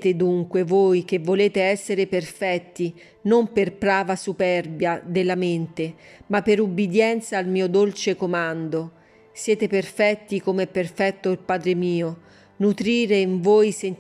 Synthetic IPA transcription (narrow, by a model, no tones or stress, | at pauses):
t̪ed̪uŋkwevoːjk̟evːoleːt̪eɛsːeɾeperfɛt̪ːi | nomperpɾaːvasupɛrbjad̪elːament̪emapːeɾubːid̪jɛnt̪saːlmiːod̪olt͡ʃekomand̪o | sjɛːt̪eperfɛt̪ːikomɛpːerfɛt̪ːoilpaːd̪ɾemiːo | nut̪ɾiːɾeiɱvoːjsen